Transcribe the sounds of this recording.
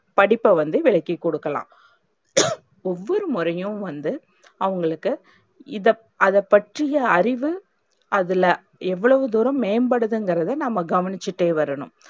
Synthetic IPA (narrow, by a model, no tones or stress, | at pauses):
pɐɽɪpːɐʋɐnd̪ɯʋɪɭɐkːikːɔɽɯkːɐlã̰ː | ɔʋːɔɾɯmʊɾɐjɯ̃ʋɐnd̪ɯ | ɐʋɐŋɡɐɭɯkːɯ | ɪðɐ | ɐðɐpːɐʈrɪjɐɐɾɪʋɯ | ɐðɪlɐ | ɛʋːɐɭɐʋɯd̪uːɾɐ̃mːeːɐmbɐɽɯðɯŋɡɪɾɐðɯnɐmːɐɡɐʋɐnɪt͡ʃːɯʈːeːʋɐɾɐɳʊ̰̃m